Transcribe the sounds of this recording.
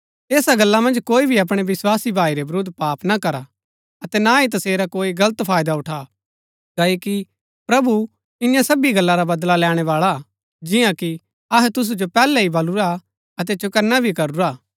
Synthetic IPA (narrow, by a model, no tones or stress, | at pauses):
eːsaɡɐlːamɐ̃nd͡ʒkoːibʱiɐp̬ɽ̃eʋɪswaːsibʱaːiɾebɾod̪ʱpaːpnakɐɾa | ɐt̪ɛnait̪̬ɐseːɾakoːiɡɐlət̪pʰaːjd̪aʊʈʰa | kɐiki | pɾɐbu | ɪjãsɐbiɡɐlːaɾabɐd̪lalɛːɽ̃ɛʋaːɭa | d͡ʒɪjãki | ɐɦɛt̪ʊs̬ud͡ʒopɛːlɛɦibʱɐluɾa | ɐt̪ɛt͡ʃʊkɐɾnabʱikɐɾuɾaː